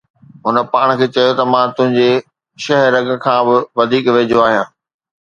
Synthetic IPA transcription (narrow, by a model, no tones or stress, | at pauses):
ɦʊnə̆paːɽ̃̆kʰeːt͡ɕɐjot̪ɐmãːt̪ʊ̃ɦɪ̃ɲ̆d͡ʑe | ʃɐɦɾɐɡ̆kʰãːbɪʋɐd̪ʱiːkʋeːd͡ʑoaːɦijãː